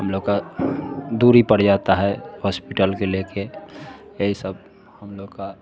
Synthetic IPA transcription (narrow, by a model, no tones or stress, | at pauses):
ɦəmloɡka | d̪uːɾipəɽd͡ʒat̪aɦɛhɔːspiʈəlkeleke | eɦisəb̚ | həmloɡka